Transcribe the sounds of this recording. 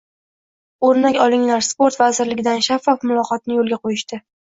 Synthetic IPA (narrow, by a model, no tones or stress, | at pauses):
oɾnakʲɒlˠɪŋlaɾspoɾt̪vazɪɾlɪɡʲɪd̪anʃafːɒfmʊlˠɒqʰɒt̪nɪjolˠɡʲaqʰojɪʃt̪ɪ